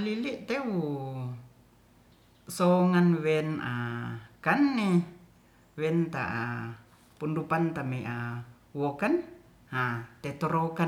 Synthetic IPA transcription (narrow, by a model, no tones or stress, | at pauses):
liliʔt̪ewu | soŋanwenakanːi | wɛnt̪a̰ʔa̰ | pundupant̪ameʔa | wokan | hat̪et̪oɾoka